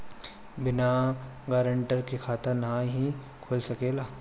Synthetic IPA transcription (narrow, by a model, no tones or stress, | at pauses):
bɪna | ɡaːɾəɳʈəɾkekʰaːt̪əɾnãɦi | kʰolsɐkeːlaː